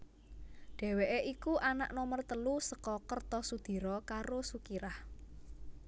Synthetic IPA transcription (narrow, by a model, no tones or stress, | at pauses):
ɖ̥e̤weʔeʔikuʔana̰ʔnɔmərt̪əlusəkɔkərt̪ɔsud̪̥i̤ɾɔkaɾosukiɾah